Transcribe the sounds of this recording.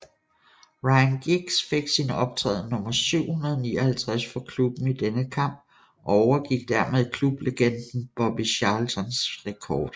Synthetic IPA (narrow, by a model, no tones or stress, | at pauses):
ʁɑ̈ɪnɡ̥iɡ̥sfe̝ɡ̥sinəɒ̽b̥̚t͡sʰʁɛ̰ːð̩ˠnɔ̽mɐsyʊ̰hunɐð̞ˠniːɐhælt͡sʰʁasfɒ̽kʰlub̥n̩id̥enəkʰɑ̈m̰b̥̚ | ʔɒ̽ɒʊɐɡ̥iɡ̥̚d̥æɐ̰með̞ˠkʰlub̥le̝ɡ̥en̰d̥n̩b̥ɒ̽b̥iɕɑlt͡sʰɒnsʁɛkʰɒːd̥